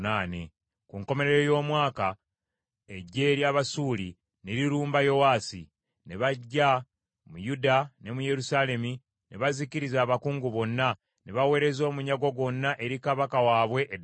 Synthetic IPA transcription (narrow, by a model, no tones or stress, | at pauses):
naːne̞̰ | kuŋko̞me̞ɾe̞ɾojo̞ːmwaːka | eɟːe̞ːɾjaːβasuːli | neɾiɾuːmbajo̞waːsi | ne̞βaɟːa | mujudane̞muje̞ɾusaːle̞mi | ne̞βaziciɾizaːβakuːŋɡuβo̞nːa | neβawe̞ːɾe̞zo̞ːmuɲaɡo̞ɡwo̞nːaʔe̞ɾikaβakawaːβwe̞ʔː